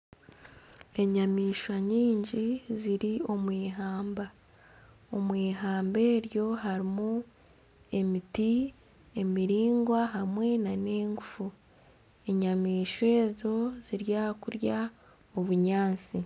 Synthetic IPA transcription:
e̞ɲamiːʃwaɲiːɲɟiziɾio̞mwiːɦaːmba | omwiːɦaːmbe̞ːɾjo̞ɦaɾimu | e̞miti | e̞miɾiːŋɡwaɦamwe̞nane̞ːŋɡufu | e̞ɲamiːʃwe̞ːzo̞z̥iɾjaːkuɾja | oβuɲaːnt͡si

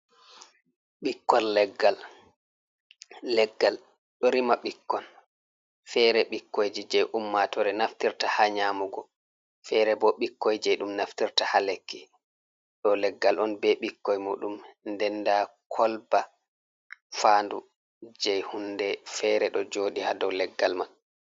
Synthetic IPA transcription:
ɓikːɔnlɛɡːal | ɛɡːal | ɗɔɾimaɓikːɔn | fɛɾɛɓikːojd͡ʒid͡ʒɛjʔumːatɔɾɛnaftiɾtahaɲaːmuɡɔ | fɛɾɛbɔɓikːojd͡ʒɛjɗumnaftiɾtahalekːi | ɗɔlɛɡːalʔɔnbɛɓikːɔjmuɗumndɛndakʰɔlba | faːndu | d͡ʒɛjhundɛfɛɾɛɗɔd͡ʒoːɗihadɔwlɛɡːalmal

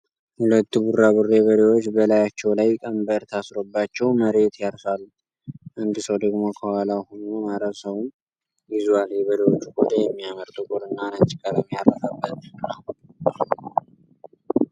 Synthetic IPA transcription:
hulət̪ːuburːabureβəd̪ewo̞t͡ʃːbəlajat͡ʃːɛwlajkʼəmbəɾt̪ʰasɾo̞bːat͡ʃːɛwməɾe̞t̪jaɾsalːu | ʔɨnd̪ɨsəwd̪əɡmo̞kʰəwalawhunomaɾəsəwun | jɪzuwaljɛβəd̪ewo̞t͡ʃːukʼod̪ajɛmːijaməɾt̪ʼukʼoɾɨnːanat͡ʃʼikʼəɾəmjarːəsabːət̪nəw

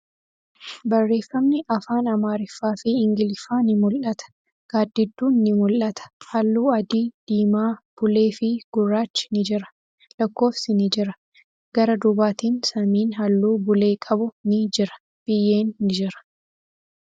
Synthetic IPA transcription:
bɐrːe̞ːfːɐmnɪʔɐfaːnɐmaːɾɪfːaːfɪɪŋɡɪlɪfaːnɪmʊlʔɐt̪ɐ̥ | ɡ̥aːd̪ːɪd̪ːuːnːɪmʊlʔːɐt̪ɐ̥hɐlːuːɐd̪iːd̪̥iːmaːb̥ʊle̞ːfɪɡ̥ʊrːaːt͡ʃːɪ̥nɪd͡ʒɪɾɐ̥ | lɐkːo̞ːfsɪnɪd͡ʒɪɾɐ | ɡ̥ɐɾɐd̪ʊbaːt̪iːnsɐmiːnhɐlːuːbʊle̞ːkʼɐbʊnɪd͡ʒɪɾɐ̥ | b̥ɪjːe̞ːnːɪd͡ʒɪɾɐ̥

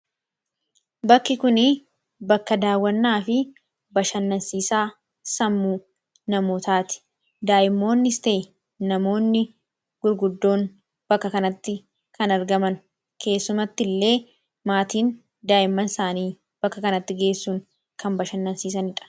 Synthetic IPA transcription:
bɐkːɪkʊnɪ | bɐkːɐd̪aːwːɐnːaːfɪ | bɐʃɐnːɐnsiːsaː | sɐmːuː | nɐmoːt̪aːt̪ɪ̥ | d̪aːʔɪmːo̞ːnːɪst̪e̞ː | nɐmo̞ːnːɪ | ɡ̥ʊɾɡʊd̪ːo̞ːn | b̥ɐkːɐkɐnɐt̪ːɪ | kʰɐnɐɾɡɐmɐn | kʰe̞ːsːʊmɐt̪ːɪlːe̞ː | maːt̪iːn | d̪aːʔɪmːɐnsaːniː | b̥ɐkːɐkɐnɐt̪ːɪɡe̞ːsːuːŋ | kɐmbɐʃɐnːɐnsiːs̬ɐnɪᶑɐ̥

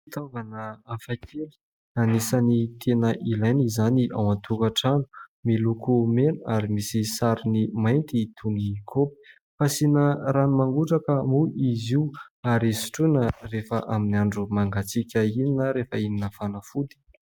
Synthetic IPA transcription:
it̪avanəafakʰeli̥ | anisanit̪ʰenəʔilajnizaniʔa̰want̪ʰukaʈ͡ʂanu̥milukumenuaɾimisisaɾinimajnt̪it̪ʰunikʰopi̥ | fasinəɾanumaŋɡuʈ͡ʂakəmuʔiziuaɾisi̥ʈ͡ʂunərefəʔaminiaɳɖ͡ʐumaŋɡat͡sikʲəininəɾefəininəfanəfud̪i̥

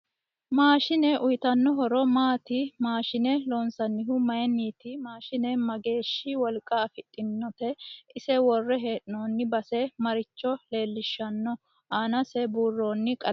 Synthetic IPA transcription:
maːʃɪnɛʔʊjt̪ɐnːɔɦɔɾɔmaːt̪ɪmaːʃɪnɛloːnsɐnːɪɦʊmɐjɛniːt̪ɪmaːʃɪnɛmɐɡe̞ːʃːɪwɔlkʼːɐːfɪt̪ʼːɪnːɔt̪ɛɪsɛwɔrːɛɦeːᶑɪnoːnːɪbɐsɛmɐɾɪt͡ʃːɔle̞ːlːɪʃːɐnːɔ | ʔaːnɐsɛbuːrːoːnːɪkʼɐ

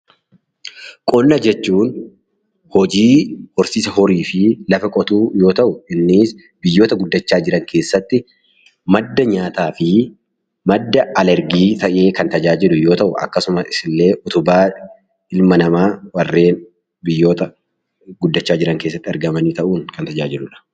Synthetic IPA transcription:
kʼɔlnɐd͡ʒɛt͡ʃːuːn | hɔd͡ʒiːhɔɾsiːsɐhɔɾiːfɪlɐfɐkʼɔt̪uːjo̞ːt̪ɐʔʊʔɪnːɪs | bɪjːo̞ːt̪ɐɡʊd̪ːɐt͡ʃːaːd͡ʒɪɾɐŋkʰe̞ːsːɐt̪ːɪ | mɐd̪ːɐɲaːt̪aːfɪ | mɐd̪ːɐɐlɛɾɡiːt̪ɐʔe̞ːkɐnt̪ɐd͡ʒaːd͡ʒɪlʊjo̞ːt̪ɐʔʊʔɐ̰kːɐsʊmɐɪsɪlːe̞ːʔʊt̪ʊbaː | ɪlmɐnɐmaːwɐrːe̞ːn | bɪjːo̞ːt̪ɐ | ɡʊd̪ːɐt͡ʃːaːd͡ʒɪɾɐŋkeːsːɐt̪ːɪɐɾɡɐmɐniːt̪ɐʔuːŋkɐnt̪ɐd͡ʒaːd͡ʒɪlʊᶑɐ̥

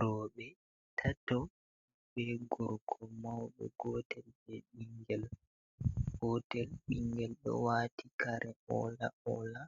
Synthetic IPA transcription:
ɾɔːɓɛ | tʰatɔ | ɓɛɡɔɾkʰɔmawɗɔ̰ɡɔtɛlɓɛɓiŋɡɛl | hɔtɛlɓiŋɡɛlɗɔ̰waːtikaɾʔɛɔlaɔla

